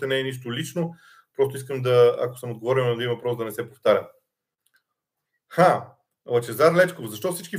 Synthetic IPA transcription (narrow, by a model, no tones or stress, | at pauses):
t̪ɛnɛɛniʃt̪olit͡ʃno | pɾɔst̪ʊis̬kəmd̪ɐa̰ko̥səmod̪ɡovɔɾinɐd̪ĩvɐpɾɔsd̪ɐnɛsɛpoft̪aɾʲə | xa | lˠɐt͡ʃɛzaɾlɛt͡ʃkofzɐʃt̪ɔfsit͡ʃki